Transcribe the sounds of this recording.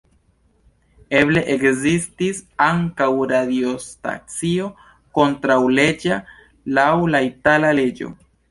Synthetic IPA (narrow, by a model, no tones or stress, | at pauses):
eble̞ʔekzistisaŋkawɾadiosta̰t͡sio̞ | ko̞ntɾawle̞d͡ʒa | lawlaitalale̞d͡ʒo̞̰